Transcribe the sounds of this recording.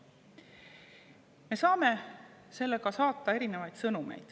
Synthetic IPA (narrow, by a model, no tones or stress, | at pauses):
me̞sɑːme̞se̞lːe̞ɡ̥ɑsɑːt̪ːˑɑe̞ɾine̞vɑjd̪̥sɤnumḛjd̪̥